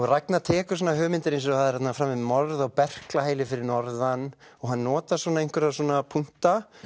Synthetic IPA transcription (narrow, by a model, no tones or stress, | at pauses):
ɣrajknat̪ʰɛːkʏɾ̥sɔnaɦœːmɪnt̪ɪɾejnsɔθaðɪɾ̥rɛt̪nafɾamːɪmɔɾðawpɛr̥klaɦeːjlɪfɪɾɪɾnɔɾðan | ɔɣɦanːɔːt̪aswɔnaejŋkʏɾaswɔnapʰun̥t̪a